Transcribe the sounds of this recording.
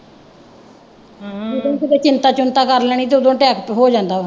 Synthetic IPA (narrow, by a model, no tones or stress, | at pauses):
od̪õːkɪt̪eːt͡ʃɪnt̪aːt͡ʃʊnt̪aːkəɾlɛɽ̃iːt̪̬eːod̪õːʈɛːkpɦoːd͡ʒãːnd̪aː